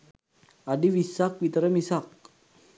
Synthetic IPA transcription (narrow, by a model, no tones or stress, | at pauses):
adiwisak̚wit̪əɾəmisak̚